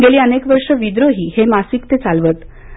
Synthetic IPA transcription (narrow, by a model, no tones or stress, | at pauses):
ɡeliːənekʋəɾʂəʋid̪ɾoɦiːhemasikt̪et͡salʋət̪